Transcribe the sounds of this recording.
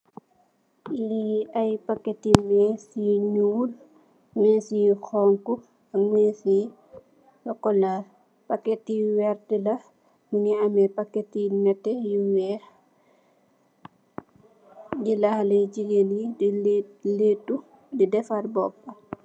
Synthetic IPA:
iajpakːetimesiɲul | mɛsixɔŋku | amesi | jɔkːɔla | paketiwɛɾtila | muniamɛpakːetinɛtːɛjiwɛ | dilahlɛd͡ʒiɡelidletːu | didɛfaɾbɔpːa

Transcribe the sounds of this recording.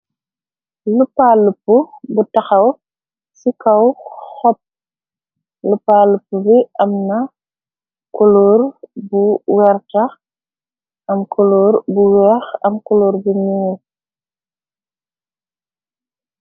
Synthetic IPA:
lupalupːubutɐxɐw | sikɐwxɔp̚ | lupalupːubiʔɐmnɐ | kuloːrbuwɛrtɐx | ʔɐmkʰɔloːɾbuwɛːxɐ̰mkɔloːrbumiːl

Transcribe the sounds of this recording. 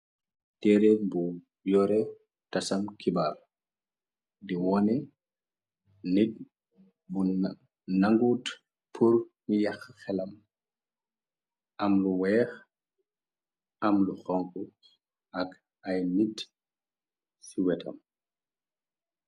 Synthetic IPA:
tɛɾɛbu | jɔɾɛ | tɐsɐmkibar | diwɔnɛ | nik̚ | bu | nɐŋɡut | pʰurmijɐxxɛlɐm | ʔɐmluwɛːx | ʔɐmluxɔŋku | ɐk | ɐjnit | siwɛtʰɐ̰m

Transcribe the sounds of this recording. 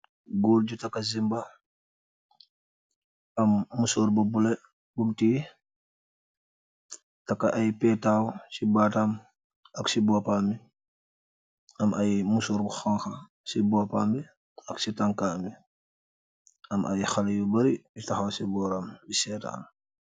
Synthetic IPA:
ɡoːlɟutɐkːɐzimbɐ | ɐmːusɔːɾbubulɛ | bumti | tɐkːɐʔɐjpɛːtaːwsibaːtam | ɐksibɔːpaːmi | ɐmɐjmusɔːɾbuxaŋxɐ | sibɔːpaːmbi | ɐksitɐŋkaːmi | ɐmʔɐ̰jxɐljubɐɾijutɐxɐwsibɔːɾambisɛːtɐ̰n

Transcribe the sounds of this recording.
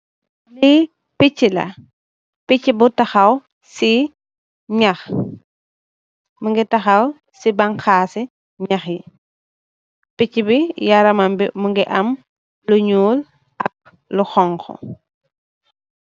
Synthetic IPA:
li | picːilɐ̰ | picːibutɐxɐw | si | ɲɐx | muŋɡɛtɐxɐw | sibɐŋxaːsi | ɲɐxji | picːibijaɾɐmɐmbḭmuŋɡɛʔɐm | luɲuːl | ʔɐk̚ | luxɔŋxɔ̰

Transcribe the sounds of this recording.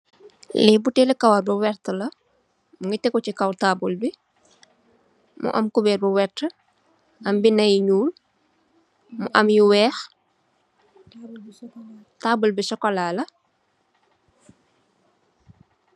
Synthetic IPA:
lɛbutɛːlikɐwarbɐwɛɾtəlɐ | muŋɡitɛkɔcikɐwtaːbulbi | mṵʔɐ̰mkubɛːrbuwɛtːə | ʔɐmbinɐjɲuːl | muʔɐmjuwɛːx | taːbulbisɔkɔlaːlɐ

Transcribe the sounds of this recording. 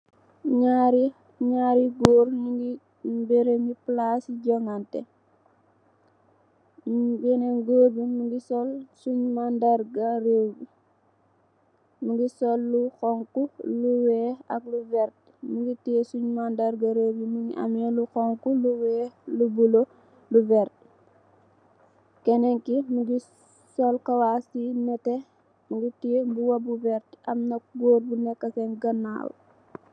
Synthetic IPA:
ɲaɾi | ɲaɾiɡoːɾnuŋɡi | beɾemiplasiɟɔŋantɛ̰ | bɛneŋɡoːbimuŋɡisɔlsuɲmandaɾɡarewbi | nuŋɡisɔlːuxɔŋkuluwɛɐk̚luvɛɾt̚ | muɡitisuɲmandaɾɡɐɾebimuɡḭʔɐ̰mɛluxɔŋkuluwɛːlubulo | luvɛɾt̚ | kɛnɛŋkimuɡi | sɔlkɐwasinɐtɛ | muɡitibuwɐbuvɛɾtɐmnɐɡoːɾbunɛkːɐsɛnɡɐnːa̰ːw

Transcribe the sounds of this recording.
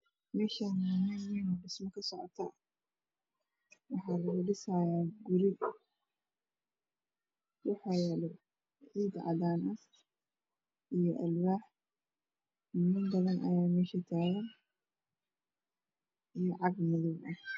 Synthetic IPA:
mɛːʃanːmɐwɪnɔɖɪsmɐkʰɐsɔʕɔt̪ʰɐ | wɑħɑːlɐɣʊlɪsajaːɡʊɾɪɡ | wɑħɑːjɛlɛ | ʕiːd̪ʕɑ̰ðaːnʔɐ | ijɞʔɐlwaːħ | mmɪnbɐðɐnʔɐ̰jaːmɛːʃɐt̪ʰaːɣɐn | ʔijɔʕɑɡmɐðɔbʔɐh

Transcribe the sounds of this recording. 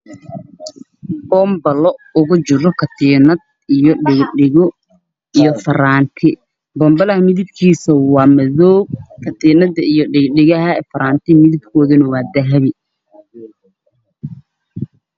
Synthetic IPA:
b̥ɔːmbɐlɔʊɣʊt͡ʃɪɾɔkʰɐt̪ʰiːnɐd̪ | ijɔɖɪɡɖɪɣɔ | ijɔfɐɾaːnt̪ʰɪ | bɔmbɐlɐhɐmɪðɪb̚kʰiːsɐwɑːmɐðɔːb̚kʰɐt̪ʰiːnɐðɐijɔɖɪɡɖɪɣɐɦɐɛːfɐɾaːnt̪ʰɪmɪðɪbkʰɔːðɐnɐwɑːd̪ɐɦɐβɪ

